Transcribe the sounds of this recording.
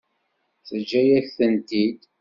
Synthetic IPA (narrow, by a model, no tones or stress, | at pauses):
θəd͡ʒːæjæθənt̪id̪